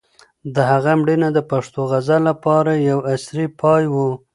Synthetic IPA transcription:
d̪əɦaɣamɽinad̪əpaʂt̪oɣazalapɑɾajawasɾipʰɑjwu

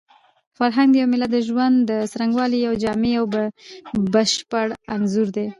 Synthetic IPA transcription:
faɾɦaŋɡd̪əjawmɪlat̪̚d̪əʒwand̪d̪əsaɾaŋɡwɑlijawd͡ʒɑmejawb | bəʃpaɽanzuɾd̪e

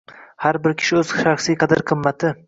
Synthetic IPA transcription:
haɾbɪɾkʲʰɪ̥ʃɪɵzʃaχsiqʰɑd̪aɾqʰɨmːat̪ʰɪ

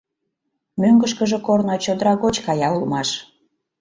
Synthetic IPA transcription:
møŋɡəʃkəʒĕkornot͡ɕod̪əɾɑɣot͡ɕkɑjɑulmɑʃ

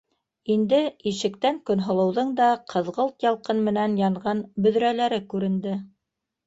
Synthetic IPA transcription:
ind̪ɘiʃɘ̆kt̪æŋkɵ̆nɦŏlˠɤ̆wðɤɴd̪ɑqʰɤ̆ðʁɤlˠt̪jɑlˠqɤnmɘ̆nænjɑɴʁɑnbɵ̆ðɾælæɾɘkʉɾɘ̆nd̪ɘ

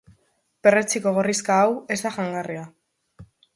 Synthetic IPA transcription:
be̞ret͡sikoɣ̞oriskaːwe̞zd̪axaŋɡaria

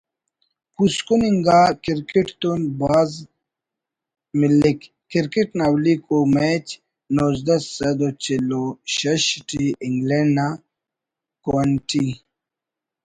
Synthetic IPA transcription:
kuskuniŋɡakiɾkiʈt̪unbaːz | milik | kiɾkiʈnawlikomet͡ɕ | nozd̪ɐsɐd̪ot͡ɕeloɕɐɕʈiiŋɡleɳa | koɐɳʈi

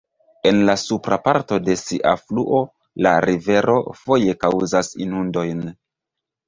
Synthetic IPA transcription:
e̞nlasupɾapaɾto̞de̞siʔa̰fluʔo̞ | la̰ɾive̞ɾʔo̞̰fo̞je̞kawzasinundo̞jn

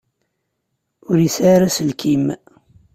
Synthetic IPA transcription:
ʊɾisaɾasəlkʰim

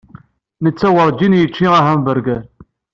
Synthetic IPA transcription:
nət͡sːæwəɾˤd͡ʒinjət͡ʃːiæɦæmbəɾɡæɾ

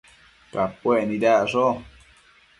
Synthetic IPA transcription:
kapwenĩdaʔʐo

